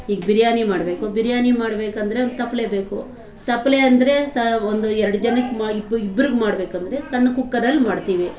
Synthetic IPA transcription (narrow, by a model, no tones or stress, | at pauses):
iːɡbiɾjaːnimaːɽbeːkubiɾjaːnimaːɽbe̞ːkɐnd̪ɐɾeond̪t̪ɐpːleːbeːku | t̪ɐpːɐleɐnd̪ɐɾe̞sɐond̪uɛɾɐɽɐd͡ʒɐnɐkːmaibibːɐɾiɡmaːɽbe̞ːkɐnd̪ɐɾe̞sɐɳːɐkukːɐɾɐlmaːɽt̪iːʋi